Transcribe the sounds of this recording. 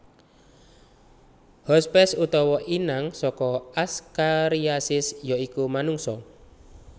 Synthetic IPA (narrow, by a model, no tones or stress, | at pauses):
hɔspɛsut̪ɔwɔʔinaŋsɔkɔaskaɾiasɪsjɔikumanuŋsɔ